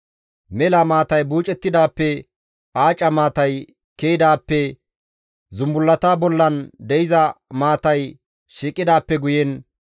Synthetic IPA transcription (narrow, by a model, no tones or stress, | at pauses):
mɛlɐmaːt̪ɐjbuːt͡ʃʼːɛt̪ːɪd̪aːpːɛ | aːt͡ʃʼɐmaːt̪ɐj | kejɪd̪aːpːɛ | zʊmbʊlːɐt̪aːbɔlːɐnd̪ɛɪzɐmaːt̪ɐj | ʃiːkʼːɪd̪aːpːɛɡʊjɛn